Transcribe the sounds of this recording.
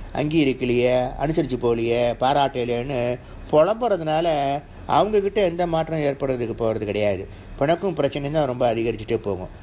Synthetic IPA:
ɐ̰ŋɡiːɪɾɯkːɪlɐjɐɐ̰nɯsɐɾɪt͡ʃːɯpoːɭɪjɐpaːɾaːʈːɐɪljɐnɯ | pɔɻɐmboːɾːɐðɯnaːlɐ | ɐ̰ʋɐŋɡɐkɪʈːɐɛnd̪ɐmaːʈːrɐ̃eːɾpɐɽɯɾɐðɯkːɯpoːɣɾɐðɯkːɪɽɐjaːɪðɯ | pɪɳɐkːɯ̃pɪɾɐt͡ʃːɐnɛt̪ãːɾɔmbɐːðɪɣɐɾɪt͡ʃːɪʈːɯpo̰ːɣʊ̰̃

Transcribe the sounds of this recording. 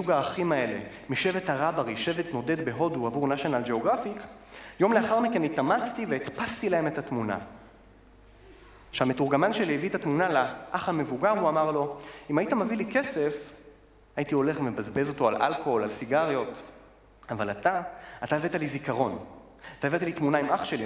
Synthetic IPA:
ʃuɡaːχimae̞le̞̰ | miʃe̞ve̞thaʁabaʁiʃe̞ve̞t̪no̞de̞d̪be̞ɦo̞duavuʁnaʃo̞nald͡ʒe̞o̞ɡʁafikjo̞mle̞aχaʁmike̞nitamat͡st̪iveit̪past̪ilahe̞me̞thatmuna̰ | ʃehametuʁɡamanʃeliivitatmunalaʔaχhamevuɡaʁuamaʁlo̞imaitamavilike̞se̞f | ajitio̞le̞χmebazbe̞zo̞toalʔa̰lkoolalsiɡaʁjo̞t | avalat̪aataevet̪alizikaʁo̞n | at̪aevet̪alitmunaimaχʃeli

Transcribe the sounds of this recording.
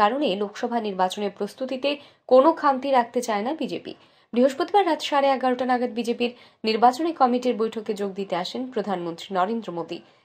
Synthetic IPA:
aɾonelokʰʃɔbʱaniɾbat͡ɕoneɾpɾost̪ut̪it̪e | konokʰant̪iɾak̚ʰt̪et͡ɕaenabid͡ʑepḭ | bɾiɦoʃpot̪ibaɾːat̪ʃaɾeɛɡaɾoʈanaɡad̪̚bid͡ʑepiɾ | niɾbat͡ɕonekɔmiʈiɾbojʈʰoked͡ʑoɡ̚d̪it̪eaʃenpɾod̪ʱanmont̪ɾinɔɾend̪ɾomod̪i

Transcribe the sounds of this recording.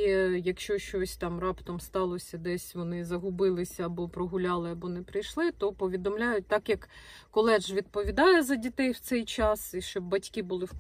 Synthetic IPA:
jɐkʃt͡ʃɔʃt͡ʃɔsʲt̪ɑmrɑpt̪ɔmst̪ɑlˠɔsʲɐd̪ɛsʲʋɔnɪzɐɦʊbɪlˠɪsʲɐːbɔpɾɔɦʊlʲɑlˠɪɐbɔnɛpɾɪjʃlˠɪt̪ɔpɔʋʲid̪ɔmlʲajʊt̚ʲt̪ɑkjɐkː | ɔlˠɛʒʋʲid̪̚pɔʋʲid̪ɑjɛzɐdʲit̪ɛjwt̪sɛjt͡ʃɑsiʃt͡ʃɔbbɐtʲkibʊlˠɪwk

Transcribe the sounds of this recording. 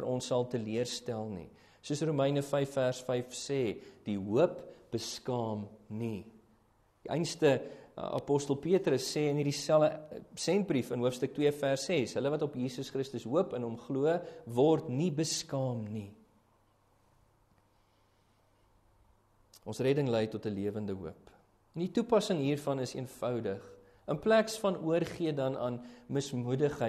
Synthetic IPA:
fərʔɔnsːɐlˠtəliərstælˠnḭ | suəsruməjnəfɛjfːærsfɛjfsɛːd̥iɦuəpb̥əskɑːmni | diʔɛ̰jnstəɑ̰pɔstəlˠpiətɾəsːɛːənɦirdisælˠəsɛnt̚brifənɦuəfstək̚twiəfærsɛsɦələvɐtɔpjiːsəsχɾəstəsɦuəpənɔmχluəvɔrtnibəskɑːmni | ɔnsrɛdəŋlɛjtɔtəliəvəndəɦṵəp | ɛnditupɐsəŋɦiːrfɐnəsiənfœwdəχ | ənplæksfɐnuərχiədɐnɑ̰ːnməsmudəχə

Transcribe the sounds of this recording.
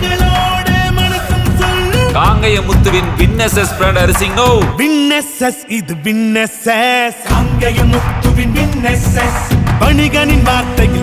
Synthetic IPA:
ɡɐloːɽemɐnɐsɐmsɐlːɯkaːŋɡɐjɐmʊt̪ːɯʋɪnʋɪnːɐsɐsfɾɐɳɖɐɾɯsɪŋɡɐwʋɪnːɐsɐsɪðɯʋɪnːɐsɐsɐŋɡɐjɐmʊt̪ːɯʋɪnʋɪnːɐsɐsʋɐɳɪɣɐnɪnʋaːɾt̪ːɐjɪl

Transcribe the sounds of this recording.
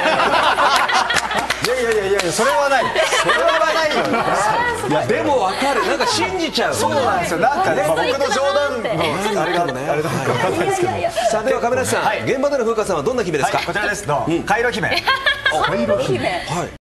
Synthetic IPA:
jaijajajajaso̞ɾe̞βanaioɾeeβanaijo | jad̪e̞mo̞βakaɾɯ̟nãŋkaɕĩɲd͡ʑit͡ɕaɯsoãd̪esonãŋkanebokɯ̟nod͡ʑoːd̪ãnoaɾiɡaoneaɾiaeskesaːd̪eβakamenasãŋaiɡẽ̞mbad̪oɾoɸɯ̟ːkasãad̪õ̞nːaçime̞d̪sɨkakot͡ɕiɾad̪esɨd̪oɯ̃kaiɾoçʲimẽoɾohaḭ

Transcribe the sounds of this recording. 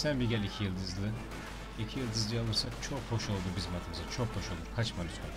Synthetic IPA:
sænbiɟʲɛlʲicʰijɯlˠd̪ɯzlˠɯ | icʰijɯlˠd̪ɯzlˠɯjalˠɯɾsakt͡ʃʰokho̞ʃo̞lˠd̪ubizmat̪ʰɯmɯzat͡ʃʰok̚hoʃo̞lˠd̪uɾkʰat͡ʃmalʲyt͡ʃma

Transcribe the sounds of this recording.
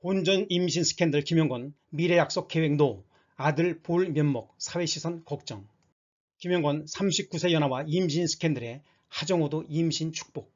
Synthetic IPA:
ond͡ʑʌnimɕʰinsʰɯ̥kʰendɯɭkimjʌŋɡwʌn | miɾe̞jak̚s͈ok͈ːe̞weŋno | adɯɭpoɭmjʌnmʌk̚sʰawe̞ɕʰisʰʌnkʌk̚t͡ɕ͈ʌŋ | kimjʌŋɡwʌnsʰamɕʰip̚k͈usʰe̞jʌnɦawaimɕʰinsʰɯ̥kʰe̞ndɯɾe̞ | had͡ʑʌŋodoimɕʰint͡ɕʰu̥k̚p͈ok̚

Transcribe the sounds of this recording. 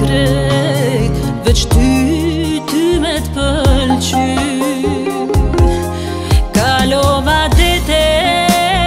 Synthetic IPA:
ɾɛ | vɛt͡ʃt̪y | t̪ymɛt̪pəlt͡ɕy | kalɔvad̪ɛt̪ɛ

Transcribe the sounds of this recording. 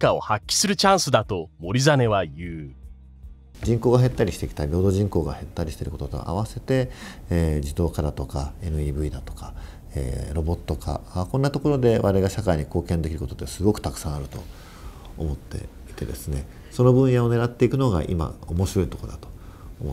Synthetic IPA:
kao̞̰hakʲːi̥sɨɾɯ̟t͡ɕãɰ̃sɨd̪at̪o̞mo̞ɾʲizane̞βajɯː | d͡ʑĩŋko̞ːɡaɦe̞t̪ːaɾʲiɕi̥t̪e̞kʲi̥t̪aɾʲiɾo̞ːd̪o̞ːʑĩŋko̞ːɡa̰he̞t̪ːaɾʲiɕi̥t̪e̞ɾɯ̟kot̪ot̪o̞̰ʔa̰β̞ase̞t̪e̞ː | d͡ʑid̪o̞ːkad̪at̪o̞kae̞nɯ̟iːbɯ̟id̪at̪o̞̥ka | ḛːɾo̞bo̞t̪ːo̞ka̰akõ̞nːat̪o̞ko̞ɾo̞d̪e̞βaɾe̞ɡaɕakaiɲ̟iko̞ːkẽ̞nd̪ekʲiɾɯ̟ko̞t̪ot̪ːesɨɡo̞kɯ̥t̪akɯ̟̥sãaɾɯ̟t̪o̞̰ | o̰mo̞t̪ːe̞̰ | i̥t̪e̞̰d̪e̞sɨne̞ | so̞no̞bɯ̟̃ɰ̃jao̞ne̞ɾat̪ːe̞ikɯ̟no̞ɡa̰ʔḭma̰omo̞ɕiɾo̞it̪o̞kod̪at̪o̞̥omo

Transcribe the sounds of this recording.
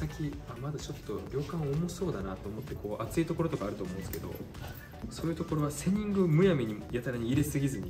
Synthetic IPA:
sakʲiamad̪at͡ɕo̞t̪ːo̞ɾʲo̞ːkãɰ̃oːmo̞ɕi̥so̞ːd̪anat̪o̞ːmo̞t̪ːe̞ko̞ːʔat͡sɨit̪o̞ko̞ɾo̞t̪o̞kaːɾɯ̟t̪oːmõ̞sɨ̥ked̪o̞̰ | so̞ːjɯ̟t̪o̞ko̞ɾo̞βase̞ɲ̟ĩŋɡɯmɯ̟jameɲ̟ijat̪aɾaɲ̟iːɾesɨɡʲizɨɲ̟i

